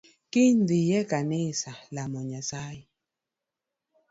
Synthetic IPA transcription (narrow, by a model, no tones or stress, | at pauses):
kindijɛkanesalamɔɲasaji